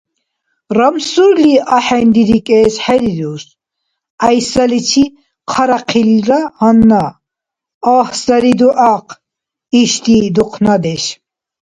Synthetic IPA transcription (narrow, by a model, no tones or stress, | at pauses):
ramsuɾliʔaħɛnd̪iɾikʼɛːsħɛɾiɾus | ajsalit͡ʃʰi | qʰaɾaqʰilɾahɔnːa | ahsaɾid̪uʔaqʰ | iʃt̪id̪uqʰnad̪ɛʃ